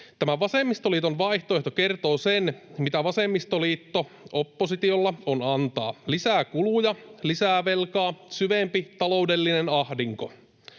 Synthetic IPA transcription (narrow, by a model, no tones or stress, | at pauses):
t̪æmæʋɑsemːist̪o̞liːt̪o̞nʋɑijht̪oeht̪oke̞rt̪o̞ːsenmit̪æʋɑsemːist̪oliːt̪ːo | opːosit̪iolːɑonɑnt̪ɑ̰ːlisæːkulujɑlisæːʋe̞lkɑːsyʋempit̪ɑlo̞wde̞lːinenɑhdiŋko